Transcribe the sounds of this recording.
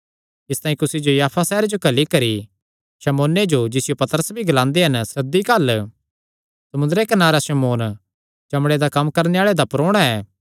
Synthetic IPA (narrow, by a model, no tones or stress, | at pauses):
ɪst̪ãːĩkʊsid͡ʒojaːpʰasɛːɾed͡ʒokɐlikɐɾi | sɐmoːned͡ʒod͡ʒɪsɪjopɐt̪əɾəsbʱiɡɐlãːnd̪eɦɐnsɐd̪ikɐl | sɐmʊnd̪əɾekɐnaːɾasɐmoːn | t͡ʃɐmɽed̪akɐmːkɐɾneaːɭed̪apɾoːɽ̃aɛː